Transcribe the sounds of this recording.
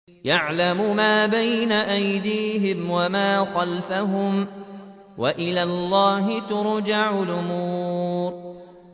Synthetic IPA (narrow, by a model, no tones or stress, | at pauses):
jaʕlamʊmaːbajnaʔajd̪iːɦɪmwamaːxalfaɦʊm | waʔɪlaːlˤːɑːɦɪt̪ʊɾd͡ʒaʕʊlʔʊmuːɾ